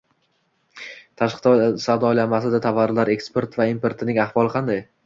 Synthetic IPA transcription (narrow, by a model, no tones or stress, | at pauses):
t̪ʰaʃqt̪sawd̪ɒjlanmasɪd̪at̪ʰavaɾlaɾe̞kspe̞ɾt̪vaimpʰe̞ɾt̪ʰɪnɪŋaχvɒlˠɨqʰɑnd̪aj